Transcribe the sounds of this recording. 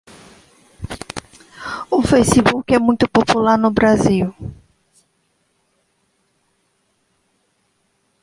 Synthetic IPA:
ʊfejsibukɛmũj̃t̪ʊpopulaɾnʊbɾaziw

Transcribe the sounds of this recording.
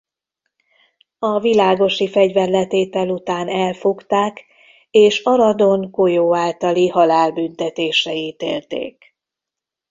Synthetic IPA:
ɒvilaːɡo̞ʃifɛɟvɛrlɛt̪eːt̪ɛlut̪aːnɛlfokt̪aːk | eːʃɒɾɒd̪o̞ŋko̞joːaːlt̪ɒlihɒlaːlbynt̪ɛt̪eːʃɛiːt̪ḛːlt̪ḛːk

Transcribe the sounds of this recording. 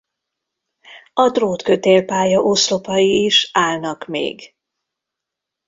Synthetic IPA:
ɒt̪roːt̪kø̞t̪eːlpaːjɒʔoslo̞pɒjiːʃaːlnɒkmḛːɡ

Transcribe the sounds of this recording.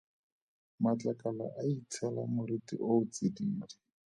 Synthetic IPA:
mat͡ɬakʼala̰ʔaitʰɛla̰mʊɾitḭʔoʊt͡sidiːli

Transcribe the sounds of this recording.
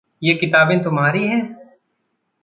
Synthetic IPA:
jeːkɪt̪aːbẽːt̪ʊmɦaːɾiɦɛ̃ː

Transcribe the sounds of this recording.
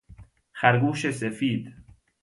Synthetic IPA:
xæɾɡuːʃesefiːd̪

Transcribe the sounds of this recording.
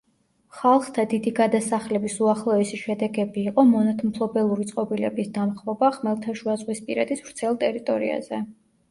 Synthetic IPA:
χalˠχt̪ʰad̪id̪iɡad̪asaχlɛbisuaχlˠɔɛsiʃɛd̪ɛɡɛbiːqʼɔmɔnat̪ʰmpʰlˠɔbɛlˠuɾit̪sʼqʼɔbilɛ̰bisd̪amχvɔbaχmɛlˠt̪ʰaʃuazʁwispʼiɾɛd̪isvɾt̪sʰɛlˠt̪ʼɛɾit̪ʼɔɾḭa̰z̥ɛ

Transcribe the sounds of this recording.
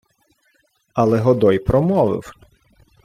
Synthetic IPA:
ɐlˠɛɦɔd̪ɔjpɾɔmɔʋɪ̰w

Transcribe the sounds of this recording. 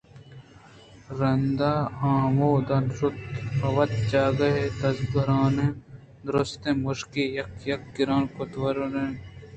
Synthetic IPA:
ɾɐnd̪aːãːwoːd̪ɐnɾʊt̪ɐʋɐt̪̚t͡ʃaːɡɐɦet̪ɐzɡɐɾaːnẽ | d̪ɾost̪ẽmʊʃkijɐkjɐkːiɾãːnkʊt̪wɐɾnen

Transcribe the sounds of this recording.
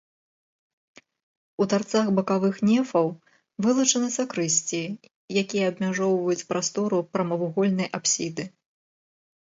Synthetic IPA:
ut̪art̪saxbɐkavɨxnʲɛfɐw | vɨlˠɐt͡ʂɐnɨsɐkɾɨsʲt͡sʲi | jakʲijɐɐbmʲaʐɔwvɐjut͡sʲpɾast̪ɔɾupɾɐmɐvuɣɔlʲnɐjʔapsʲid̪ɨ

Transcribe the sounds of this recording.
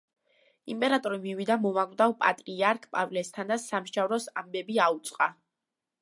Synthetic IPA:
impʼɛɾat̪ʼɔɾimivid̪amɔvaɡvd̪avpʼat̪ʼɾiaɾkʰpʼa̰vlɛst̪ʰand̪asamʃavɾɔsambɛbiaut̪sʼqʼa

